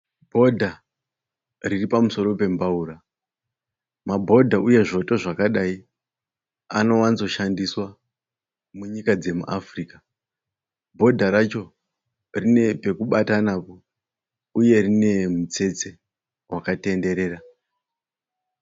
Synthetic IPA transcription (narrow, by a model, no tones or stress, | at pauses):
bʱo̞dʱa | riripamuso̞ɾo̞pe̞mbauɾa | mabʱo̞dʱauje̞ʐo̞to̞ʐakaɗai | a̰no̞wanzo̞ʃandiswa | muɲikad͡ze̞muʔafriːka | bʱo̞dʱaɾat͡ʃo̞ | rine̞pe̞kuɓatanapo̞ | uje̞rine̞mut͡se̞t͡se̞ | wʔakate̞nde̞ɾe̞ːɾa